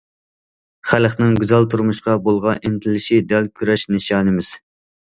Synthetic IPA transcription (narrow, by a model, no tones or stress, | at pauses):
χælχnɪŋɡʲyzɛlˠt̪ʰuɾmuʃqɑbolˠʁɑʔent̪ʰɪlɪʃid̪ɛlkʲʰyɾɛʃneʃɑːnɨmɪz̥